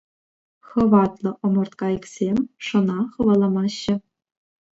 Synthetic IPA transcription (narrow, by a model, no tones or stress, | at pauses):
χɤ̆ʋɑt̪lˠɤ̆ʔŏmɤ̆rt̪kɑiksʲemʲʂɤ̆nɑχɤ̆ʋɑlˠɑmɑɕːɘ̆